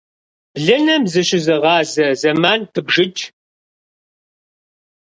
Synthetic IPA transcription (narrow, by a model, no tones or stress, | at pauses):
b̥ɮɐnɐmzɨɕɪzɨʁɑːzɐzɐmaːntʰɨbʐɪt͡ʃʼ